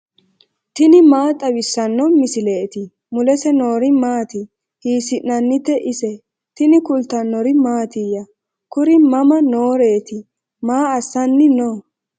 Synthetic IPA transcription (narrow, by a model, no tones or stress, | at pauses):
t̪ɪnɪmaːt̪ʼɐwɪsːɐnːɔmɪsɪleːt̪ɪ | mʊlɛsɛnoːɾɪmaːt̪ɪ | hiːsɪʔnːɐnːɪt̪ːɛʔɪsɛ | t̪ɪnɪkʊlt̪ɐnːɔɾɪmaːt̪ɪjɐ | kʊɾɪmɐmɐnoːɾeːt̪ɪ | maːɐsːɐnːɪnoː